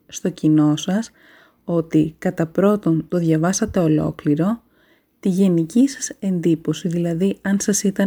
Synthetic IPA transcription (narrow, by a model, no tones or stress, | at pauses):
st̪o̞cino̞sɐs | o̞t̪ikɐt̪ɐpɾo̞t̪o̞nt̪o̞ðʝɐvɐsɐt̪e̞o̞lo̞̰kliɾo̞ | t̪iʝe̞nicisɐ̥se̞nd̪ipo̞siðilɐðiɐnsɐsit̪ɐ